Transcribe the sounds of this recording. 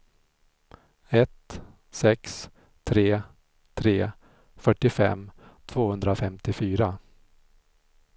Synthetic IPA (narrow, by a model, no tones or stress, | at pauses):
ɛt̪ | sɛks | t̪ʰɾeː | t̪ʰɾeː | fœʈːɪfɛ̰mt̪ʰv̥oːhɵnd̪ɾafɛmt̪ɪfyːɾa